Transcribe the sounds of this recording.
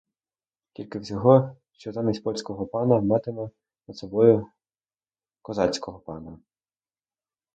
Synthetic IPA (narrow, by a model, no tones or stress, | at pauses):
kʲilʲkɪwsʲɔɦɔʃt͡ʃɔzɑmʲisʲtʲpɔlʲsʲkɔɦɔpɑnɐmɑt̪ɪmɐ | nɐd̪sɔbɔjʊ | kɔzɑt͡sʲkɔɦɔpɑnɐ